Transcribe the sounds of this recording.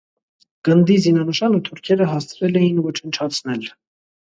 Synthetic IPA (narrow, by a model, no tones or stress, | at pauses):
ɡ̥ənd̪izinɑnəʃɑnut̪ʰuɾkʰɛɾəɦɑst͡sʰɾɛlɛjinvɔt͡ʃʰənt͡ʃʰɑt͡sʰnɛl